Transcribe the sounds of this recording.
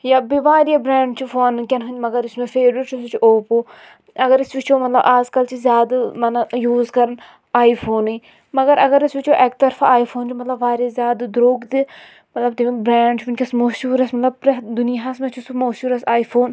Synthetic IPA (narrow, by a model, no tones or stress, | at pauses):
jaːbiʋaːɾijɐbɾaːɳɖt͡ʃʰufonkʲɐnɦunʲmɐɡɐɾismẽfeːɾɾiʈt͡ʃʰusut͡ʃʰuʔoːpoː | ɐɡɐɾist͡ʃut͡ʃʰomɐt̪lɐbʔaːzkɐlt͡ʃʰizʲjaːd̪mɐnɐjuːzkɐɾɐn | aːifʰoːnɨ | mɐɡɐɾɐɡɐɾisut͡ʃʰoʔɛːk̚t̪ɐɾfaaːifʰoːnt͡ʃʰumɐt̪lɐbʋaːɾjɐzʲjaːd̪d̪ɾoːɡd̪i | mɐt̪lɐb̚t̪imebɾaːɳɖt͡ʃʰuunʲkʲɐsmoʃuːɾɐsmɐt̪lɐb̚pɾɐd̪unijaɦɐsmẽt͡ʃʰusumoːʃuːɾɐsaːifʰoːn